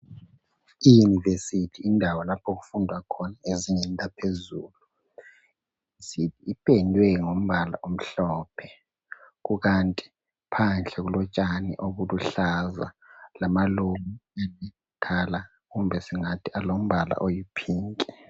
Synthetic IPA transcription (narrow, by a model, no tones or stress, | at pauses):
ijunivesitʰiːndʱawɔlapʰoɣufundʱwakʰɔnaeziŋɛntʼapʰezuːlu | isitʰiːpʰʼɛndʱwɛŋom̩βala̰ʔom̩ɬɔːpʰɛ | ɣuɣantʼi̥ | pʰanɬɛɣulɔt͡ʃʼanḭʔoɣuluɬaza̰ | lamalumiani | kʰala | ɣumbʱɛsiŋatʰialom̩βala̰ʔojipʰiːŋkʼɛ